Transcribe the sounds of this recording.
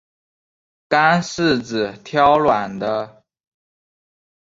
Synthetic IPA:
ka˥ns̩˥˩t͡sɹ̩˨˩t̪ʰjɑ˥ʊlwa˨˩nd̪ə˦

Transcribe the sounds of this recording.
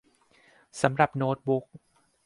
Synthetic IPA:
sa˩˦mɾa˨˩p̚noː˦˥t̪̚bu˦˥k̚

